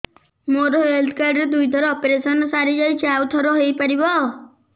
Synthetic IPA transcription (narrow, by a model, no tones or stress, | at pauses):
moɾɔɦeld̪kaɾɖɾed̪ujd̪ʱɔɾɔɔpeɾesɔnɔsaɾid͡ʒajt͡ʃʰeawt̪ʰɔɾɔɦejpaɾibɔ